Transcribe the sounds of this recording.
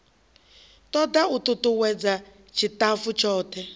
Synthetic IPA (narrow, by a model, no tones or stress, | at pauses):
tɔdaututuwɛd͡za | t͡ʃʰitafut͡ʃɔːtɛ